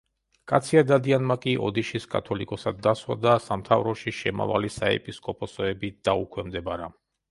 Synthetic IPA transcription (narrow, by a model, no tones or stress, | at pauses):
kʼat̪sʰiad̪ad̪ianmakʼiʔɔ̰d̪iʃiskʼa̰t̪ʰɔlikʼɔsad̪ːaswa̰d̪asamt̪ʰavɾɔʃiʃɛma̰va̰lisaɛ̰pʼiskʼɔpʼɔsɔɛbid̪̥aukʰwɛmd̪ɛbaɾa